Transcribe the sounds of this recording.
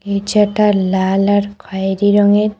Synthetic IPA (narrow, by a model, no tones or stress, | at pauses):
ed͡ʒaʈalalaɾkʰajɾiɾɔŋeɾ